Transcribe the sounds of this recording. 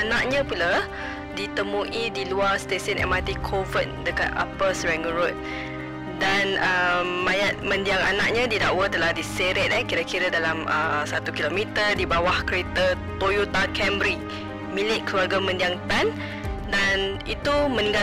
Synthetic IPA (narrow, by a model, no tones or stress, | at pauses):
anaʔ̚ɲãpula | dit̪əmũʔidiluarst̪esənʔɛ̰mat̪ikʰovəndəka̰t̪̚a̰pəsɹɛŋəɾot̪̚ | danəmːajat̪̚mə̃ndiaŋa̰naʔ̚ɲãdidaʔwət̪əlahdiseɾɛt̪̚ɛkiɾakiɾədalaməsat̪ukilomit̪ərdibawahkəɾet̪ət̪ojut̪akʰɛmbɾi | milɪʔkəluarɡamə̃ndiaŋt̪an | danit̪umə̃nĩŋɡa